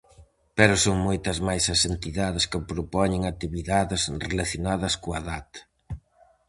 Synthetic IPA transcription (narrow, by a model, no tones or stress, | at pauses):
pɛɾʊsoŋmojt̪ɐzmajsɐsent̪iðaðɪskɪpɾopɔɲɪŋat̪iβiðaðɪsrelaθjonaðɐskoɐðat̪ɐ̥